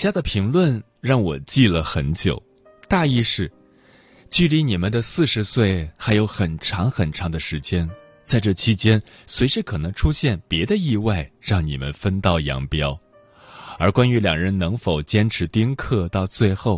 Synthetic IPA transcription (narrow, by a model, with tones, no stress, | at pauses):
t͡ɕja˥d̪ə˨pʰi˧˥ŋlwə˥˧n | ɻɑ˥˩ŋwɔ˨˩t͡ɕi˥˩lə˩xə˧˥nt͡ɕjo̰˨˩˦ʊ | t̪a˥˧i˥˧ʂɻ̩˥˩ | t͡ɕy˥˩li˧˥ni˨˩mə˦nd̪ə˧sɹ̩˥˩ʂɻ̩˧˥swe˥˩ɪxa˧˥ɪjo˧˥ʊxə˨˩nʈ͡ʂʰɑ˧˥ŋxə˨˩nʈ͡ʂʰɑ˧˥ŋd̪ə˧ʂɻ̩˧˥t͡ɕjɛ˥n | t͡sa˥˧ɪʈ͡ʂɤ˥˩t͡ɕʰi˧˥t͡ɕjɛ˥n | swe˧˥ɪʂɻ̩˥˧kʰɤ˨˩nɤ˧˥ŋʈ͡ʂʰu˥ɕjɛ˥˩npjɛ˧˥d̪ə˧i˥˧wa˥˧ɪɻɑ˥˩ŋnḭ˨˩mə̰˦nfə˥nt̪ɑ˥˩ʊjɑ̰˧˥ŋpjɑ˥ʊ | ə˞˧˥kwa˥ny˧˥ljɑ̰˨˩ŋɻə˧˥nnɤ˧˥ŋfo˨˩ʊt͡ɕjɛ˥nʈ͡ʂʰɻ̩˧˥t̪i˥ŋkʰɤ˥˧t̪ɑ˥˧ʊt͡swe˥˧ɪxo˥˩ʊ